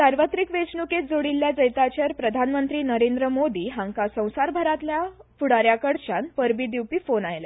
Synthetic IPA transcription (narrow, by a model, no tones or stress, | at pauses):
saɾʋət̪ɾikʋet͡snuket̪̚d͡zoɽilːjad͡zəjt̪at͡ɕəɾpɾəd̪ʱanmənt̪ɾiːnəɾend̪ɾəmod̪iːɦãŋkasə̃w̃saɾbʱəɾat̪ljafuɽaɾjakəɽt͡ɕanpəɾbid̪iwpiːfonajle